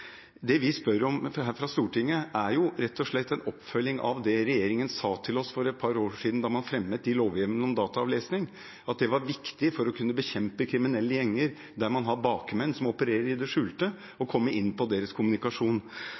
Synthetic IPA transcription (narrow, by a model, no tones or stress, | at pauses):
d̪ɛʋɪspœɾɔmɦæːɾfɾɑst̪uːʈɪŋːəʔæɾjʊɾɛt̪ːɔʂɭɛt̪ʰːɛnɔpːfœlːɪŋʔɑ̰ʋd̪ɛɾɛjeːɾɪŋənsɑːt̪ʰɪlɔsfɔɾɛt̪̚pʰɑɾoːʂiːd̪n̩d̪ɑɾmɑnfɾɛmːət̪ɪloːʋjɪʋənəɔmd̪ɑːt̪ɑɑʋleːsnɪŋ | ɑt̪̚d̪ɛʋɑɾʋɪkt̪ɪfɔɾɔkʰʉnːəbəçɛmpəkʰɾɪmɪnɛlːəjɛŋːəɾ | d̪æɾmɑnɦɑbɑːkmɛnsɔmɔpəɾeːɾəɾɪd̪ɛʂʉːlt̪ə | ɔkʰɔmːəɾʔɪnːpɔd̪eːɾəskʰʊmʉnɪkɑʂuːn